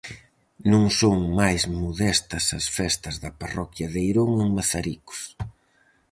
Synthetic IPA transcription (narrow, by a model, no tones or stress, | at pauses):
nũŋsoŋmajzmoðɛst̪ɐsɐsfɛst̪ɐzðɐparɔkjɐðejɾoŋeŋmaθaɾikʊ̥s